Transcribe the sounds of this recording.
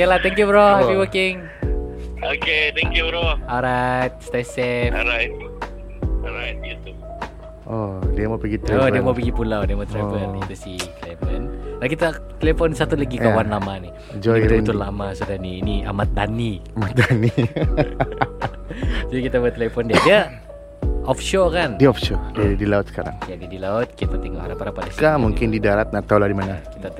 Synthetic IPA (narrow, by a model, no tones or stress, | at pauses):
kelat̪ɛŋkjubɾohɛpiwokɪŋ | oket̪ɛkjubɾoaɾajt̪̚st̪asɛɾajt̪̚ | aɾajt̪̚it̪u | ɔdiamapiɡit̪ɔdiamawpiɡipulawdiamat̪ɾabərit̪usiklemɛnlakit̪at̪elefɔnsat̪ulaɡikawanlamani | d͡ʒɔɾbət̪ʊllamasudaɾniːnia̰mat̪̚daniamat̪̚dani | d͡ʒuikit̪abuat̪elefɔndiadia | ɔfʃokandiɔfʃodadilaʊt̪̚sə̥kaɾa̰ŋjadidilaʊt̪̚kit̪p̪at̪iŋaha̰ɾapaɾapadaskamuŋkɪndidaɾat̪̚nat̪aulahdimanaki̥t̪a